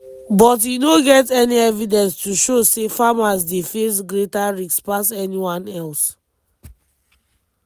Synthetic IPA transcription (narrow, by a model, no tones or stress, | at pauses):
bɔt̬jinoɡɛtɛniɛvidɛ̃nstuʃosefamas̬defes̬ɡɹetaɹikspasɛniwãnɛls